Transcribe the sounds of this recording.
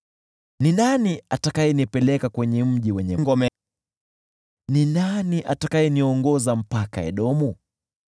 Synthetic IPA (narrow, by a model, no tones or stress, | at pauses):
ninaniatakajɛnipɛlɛkakwɛɲɛm̩ʄiwɛɲɛŋɡɔmɛ | ninaniʔatakaɛniɔŋɡɔzam̩paka̰ɛ̰ɗɔmu